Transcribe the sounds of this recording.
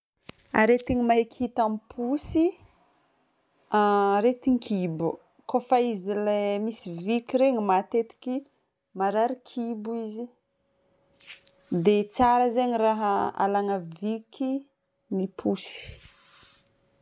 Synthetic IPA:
a̰ɾet̪iɲimaɦekhit̪amipʰusi | aɾet̪iŋkʰibu | kofaizilemisivikiɾeɲimat̪et̪i̥ki | maɾaɾikʰibuizi | d̪et͡saɾəzaɲiraɦaa̰laŋəvikʰi | nipʰusi̥

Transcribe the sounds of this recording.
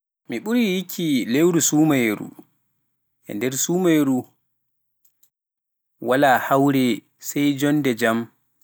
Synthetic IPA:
miɓuɾijikʰːilewɾusuːmajɾṵ | ʔɛ̰ndɛɾsuːmajɾu | walahawɾɛ | sajd͡ʒɔnːdɛd͡ʒam

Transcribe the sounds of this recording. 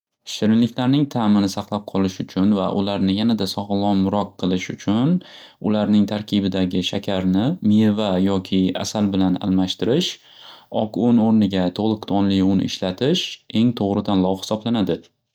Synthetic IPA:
ʃɪɾɪnlɪkʲlaɾnɪŋt̪ʰamɪnɪsaqlˠap̚qʰɒlˠɪʃʊt͡ʃʰʊnvaʔʊlaɾnɪjanad̪asɒʁlˠɒnmʊɾɒqʰːɨlˠɪʃʊt͡ʃʰʊn | ʊlaɾnɪŋt̪ʰaɾkʲʰɪbɪd̪aɡʲɪʃakʲʰaɾnɪmievajɒkʲʰɪa̰salbɪlana̰lmaʃt̪ɪɾɪʃ | ɒkʊnoɾnɪɡʲat̪ʰolˠɨqd̪ʰɒnlɪjʊn̰ɪ̰ʃlat̪ʰɪʃe̞ŋt̪ʰoʁɾɪd̪anlˠɒwhɪ̥sɒblanad̪ɪ

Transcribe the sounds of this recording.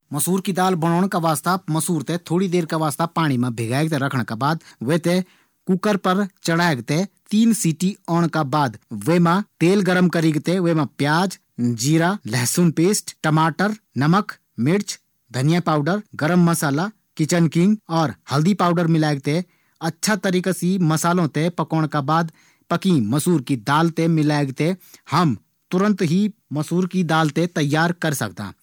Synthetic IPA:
məsuːɾkid̪aːlbɐñɔːɽ̃kaʋaːst̪amɐsuːɾt̪et̪ʰoːɽid̪eːɾkaʋaːst̪apaːɽ̃imãbʱeɡaːeɡt̪eɾɐkʰɽ̃kabaːd̪ʋeːt̪e | kʊkəɾpəɾt͡ʃəɽaːeɡt̪et̪iːnsiːʈiɔːɽ̃kabaːd̪ʋemãt̪eːlɡəɾəmkəɾiɡt̪eʋemãpjaːd͡ʒ | d͡ʒiːɾalɛɦsunpeːsʈʈəmaːʈəɾ | nɐmək | mɪɽt͡ʃʰ | d̪ʱɐnɪjapaːʊɖəɾɡəɾəmːəsaːla | kɪt͡ʃənkɪ̃ŋɡɔːɾhɐld̪ipaːʊɖəɾmɪlaːɡ̚t̪e | ɐtːʃʰat̪əɾiːkasimɐsaːlõt̪epɐkoːɽ̃kabaːd̪ | pɐkĩmɐsuːɾkid̪aːlt̪emɪlaːeɡt̪ehɐm | t̪ʊɾə̃nt̪ɦimɐsuːɾkid̪aːlt̪et̪ɐjːaːɾkɐɾsɐ̰k̚d̪ã̰ː

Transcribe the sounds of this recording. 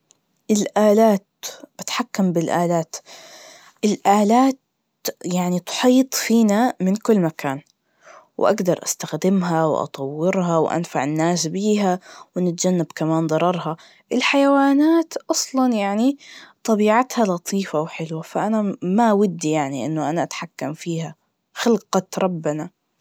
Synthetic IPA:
ʔɪlʔaːlaːt̪̚b̥ɪt̪ħakːambɪlʔaːlaːt̪ | ʔɪlʔaːlaːt̪ | jaʕnit̪ʊ̥ħiːt̪ˤfiːnamɪnkʊlːmakaːn | w̰ʔa̰ɡd̪ɑɾˤʔa̰st̪axd̪ɪmɦawʔɑ̰t̪ˤɑwːɪɾɦɑwʔa̰nfaʕɪnːaːsbiːɦawɪnɪt̪d͡ʒanːabkamaːnd̪ˤɑɾˤɑɾˤɦɑ | ʔɪlħajawaːnaːt̪ʔɑsˤlɑnjaʕnit̪ˤɑbiːʕat̪halɑt̪ˤʰiːfawħɪlwafaʔanamawɪd̪ːijaʕniʔɪ̰nːʊʔanaʔat̪ħakːamfiːha | xɪlqɑɾˤɑbːɪna

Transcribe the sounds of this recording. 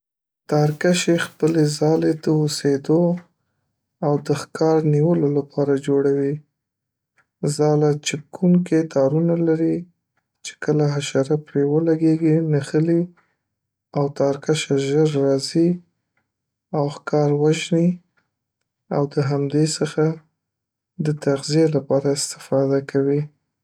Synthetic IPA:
t̪ɑɾkaʃexpəlezɑled̪əosed̪o | awd̪əxkɑɾniwəlolapʰɑɾad͡ʒoɽawi | zɑlat͡ʃɪp̚kʰuŋket̪ɑɾunalaɾi | t͡ʃe̥kəlaɦaʃɑɾapɾewəlaɡeɡinaxəli | awt̪ɑɾkaʃaʒəɾːɑzi | awxkɑɾwaʒni | a̰wd̪əɦamd̪esəxa | d̪ət̪aɣzijelapɑɾaɪst̪ɪ̥fɑd̪akʰawi

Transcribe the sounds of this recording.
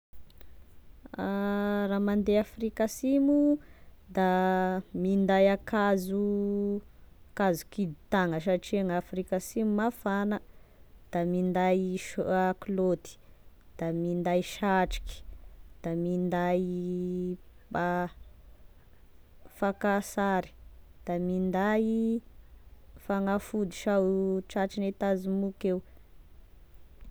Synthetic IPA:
aramand̪eafɾikasimud̪amind̪ajakazu | kazu̥kid̪it̪aŋəs̬aʈ͡ʂiaŋafɾikasimumafanəd̪̥amind̪ajʃaklot̪i̥d̪̥amind̪ajʃaʈ͡ʂi̥ki̥d̪̥amind̪aj | ba | fakasaɾi̥d̪̥amind̪aj | faŋafud̪i̥ʃawʈ͡ʂaʈ͡ʂinet̪azimukew

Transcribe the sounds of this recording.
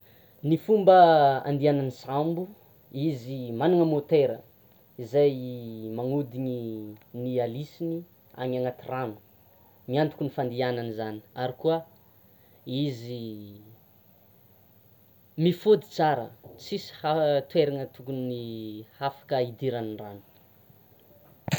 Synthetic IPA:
nifumbəa̰nd̪iananisambu | izimanuŋəmot̪eɾə̰ | izajmaŋud̪iɲinialisini | a̰ɲaŋat̪iranu̥ | miant̪ukunifand̪iananizani̥aɾikuə | izi | mifud̪i̥t͡saɾə̰t͡sisi̥hat̪weɾaŋət̪ukunihafḁkəid̪iɾaniranu̥

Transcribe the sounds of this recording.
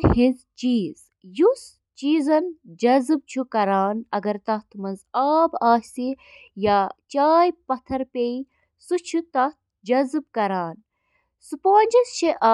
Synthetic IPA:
ɦizt͡ʃiːz | jus | t͡ʃiːzɐnd͡ʒɐzb̚t͡ʃʰukɐɾaːnɐɡɐɾt̪ɐt̪ʰmɐzaːbaːsi | jat͡ʃaːjpɐt̪ʰɐɾpei | sut͡ʃʰut̪ɐt̪̚ | d͡ʒɐzb̚kɐɾaːn | supoːnʲd͡ʒɐst͡ʃʰeʔaː

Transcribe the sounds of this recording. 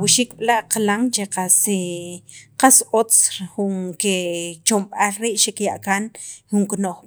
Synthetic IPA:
wiʃik̚ɓlaʔqlaŋt͡ʃeqase | qasot͡sxuŋket͡ʃomɓalɾiːʔʃekjaʔkanxuŋknoχ

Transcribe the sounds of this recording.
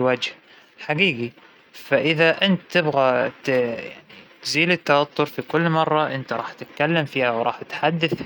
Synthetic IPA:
wad͡ʒh | ħaɡiːɡi | faʔɪðaʔɪnt̪t̪ɪbɣat̪nit̪ziːlɪt̪ːawat̪ːʊɾfikʊlːmɑrˤːɑʔɪnt̪aɾˤɑːħt̪ɪt̪kalːamfiːhawɾˤɑ̰ːħɪt̪ħad̪ːaθ

